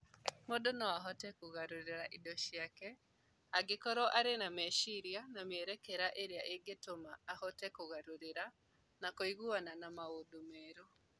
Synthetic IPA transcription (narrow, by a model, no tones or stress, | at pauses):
modonɔaɦɔtɛkoɣaɾoɾeɾaʔidɔʃiakɛ | aɡekɔɾɔʔaɾenamɛʃiɾjanamɛɾɛkɛɾaʔeɾeaʔeɡetomaːhɔtɛkoɣaɾoɾeɾa | nakoiɣuananamaodomɛːɾo